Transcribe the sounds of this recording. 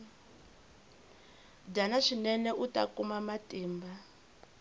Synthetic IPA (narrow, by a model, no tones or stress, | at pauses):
danaʂinɛnɛʔuta̰kumamatiːmba